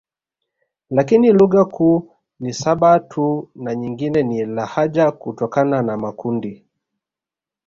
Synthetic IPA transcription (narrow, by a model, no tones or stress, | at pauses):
lakiniluɣakʰuː | nisaɓatʰunaɲiŋɡinɛnilahaʄakutɔkananamakundi